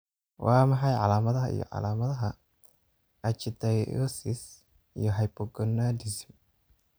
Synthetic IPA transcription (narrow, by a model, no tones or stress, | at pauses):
wʔɑːmɐħɑjʕɑ̰laːmɐðɐɦɐḭjɔ̰ʕɑ̰laːmɐðɐɦɐ | ʔɐt͡ʃɪd̪ɐjɔ̰sɪs | ḭjɔɦɐjbɔɡɔnad̪ɪsm